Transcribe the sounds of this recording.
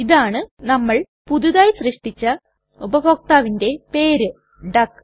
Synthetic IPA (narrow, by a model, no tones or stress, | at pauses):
iðaːɳɨnɐmːɐɭ | pud̪uðaːjsrɨʂʈit͡ɕːɐ | ubɐbʰʱoːk̚t̪aːʋinde̞pe̞ːɾɨ | ɖɐkː